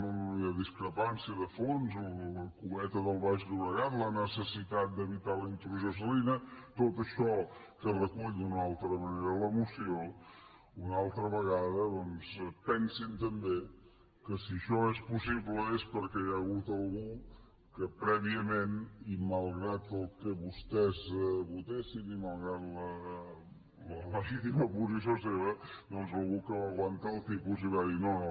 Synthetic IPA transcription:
əðiskɾəpansiəðəfonzlləkumɛt̪əðəlˠβaʒðuβəɣat̪lənəsəsit̪at̪̚d̪əβit̪alint̪ɾuʒos̬əlinət̪ot̪əʃɔ | kərəkuʎd̪unalˠt̪ɾəməneɾələmusio | unalˠt̪ɾəβəɣaðəðɔnzpɛnsint̪əmbe | kəsiəʃɔespusiβləespəɾkɛjəɣut̪əlˠɣu | kəpɾɛβiəmeniməlˠɣɾat̪əlˠkəβust̪ɛzβut̪esiniməlˠɣɾat̪lə | lələβit̪iməpuzis̬oseβəd̪ɔnzəlˠɣukəβaɣwant̪aːlˠt̪ipuziβaðinoo

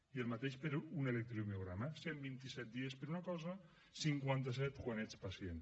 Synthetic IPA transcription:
ielˠmat̪eʃpeɾunelek̚t̪ɾiumeuɣɾamasembint̪isɛt̪̚d̪iespeɾunakɔza | siŋkwant̪asɛt̪kwanet͡spasjen

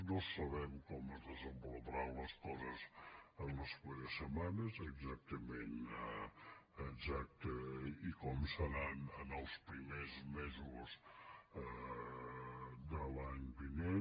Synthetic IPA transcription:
nosəβɛmkɔməzðəzəmboləβɾawləskɔzəzənləseɾəsːəmanəzəɡzak̚t̪əmen | əɡzak̚t̪əikɔmsəɾanənəlˠspɾimezmɛzuz | d̪əlaɲbinen

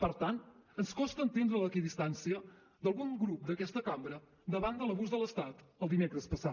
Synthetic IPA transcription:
pəɾt̪ant̪ənskɔst̪əːnt̪end̪ɾələkiðist̪ansiə | d̪əlˠɣuŋɡɾup̚d̪əkɛst̪əkambɾə | d̪əβand̪ələβuzðələst̪at̪əlˠd̪imekɾəspəsa

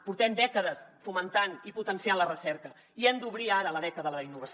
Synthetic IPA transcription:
puɾt̪ɛmd̪ɛkəðəsfumənt̪aniput̪ənsianlərəsɛɾkə | iemd̪uβɾiaɾələðɛkəðəəəinːuβəs

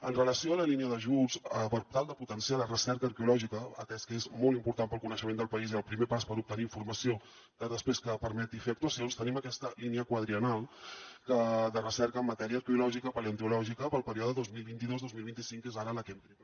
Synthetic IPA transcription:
ənrələsioələliniəðəʒuzəpəɾt̪alˠd̪əput̪ənsialərəsɛɾkəːɾkeulɔʒikəəkɛskəezmɔlˠimpuɾt̪ampəlˠkunəʃəmend̪əlˠpəiziəlˠpɾimepaspəɾup̚t̪əniːɱfuɾməsio | kəðəspɾeskəpəɾmɛt̪ifeək̚t̪uəsionst̪əniməkɛst̪əliniəkwəðɾiənalˠkəðərəsɛɾkəːmːət̪ɛɾiəːɾkəulɔʒikəpəliənt̪ulɔʒikəpəlˠpəɾiɔðəðozmilˠβint̪iðozðozmilβint̪isiŋkezaɾələkɛmp̪ɾi

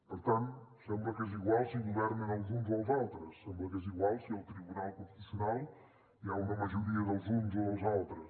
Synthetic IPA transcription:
pəɾt̪ãnt̪usɛ̃mblɐkeziɣwalˠsiɣuβɛɾnẽnɐlˠzũnzozawt̪ɾɐsːẽmblɐkeziɣwalˠsiɛwt̪ɾiβunalˠkũfisjunalˠ | iaumɐmɐʒuɾiɐðɐlˠzunzoɐzawˠt̪ɾɐs

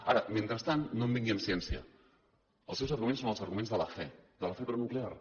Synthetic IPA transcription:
aɾəmẽnt̪ɾəst̪annõmbiŋɡiəmsiɛnsiə̰ | əlˠsɛwzəɾɣumensonəlˠzəɾɣumẽnzðələfɛd̪ələfɛpɾɔnuklear

